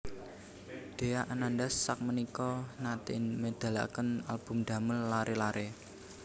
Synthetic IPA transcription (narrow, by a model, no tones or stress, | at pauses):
d̪̥e̤aʔanand̪asːak̚mənikɔnat̪ɪnməd̪̥a̤la̰kənalb̥ṳmd̪̥ä̤məlːaɾʔelaɾe